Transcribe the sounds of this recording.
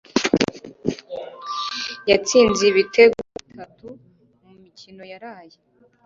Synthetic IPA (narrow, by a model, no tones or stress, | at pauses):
jat͡siːnziβitʰe̞ɡoitʰatu | mumicino̞jaɾaːje